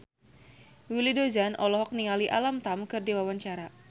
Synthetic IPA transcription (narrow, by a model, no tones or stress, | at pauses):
wilidozanʔɔlɔɦɔk̚niŋaliʔa̰lamt̪amkɨrdiwawaɲt͡ʃaɾa